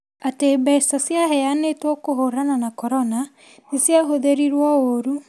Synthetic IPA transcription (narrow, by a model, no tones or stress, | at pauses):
ateːbɛisasjaɦɛjanetwɔkoɦoɾananakɔɾɔna | nesjaɦoðeɾiɾwɔoɾu